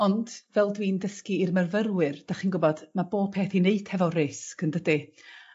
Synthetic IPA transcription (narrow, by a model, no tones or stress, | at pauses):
ɔnd̥vɛlˠdwiːndəskiːrmɛrvərwɨrd̥aχinɡʊbɔdmaboːb̥̚pʰeːθineɨdhɛvɔreskəndədi